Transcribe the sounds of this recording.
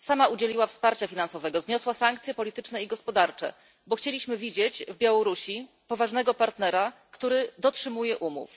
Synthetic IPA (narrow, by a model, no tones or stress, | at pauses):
samaud͡ʑelʲiwafspaɾt͡ɕafʲinansɔvɛɡɔzɲɔswasaŋk̚t̪sʲjɛpɔlʲit̪ɘt͡ʂnɛiɡɔspɔd̪aɾt͡ʂɛ̰ | bɔxt͡ɕelʲiɕmɘvʲid͡ʑet͡ɕvbʲjawɔɾuɕi | pɔvaʐnɛɡɔpaɾt̪nɛɾakt̪uɾɘd̪ɔtʂɘmujɛʔumṵf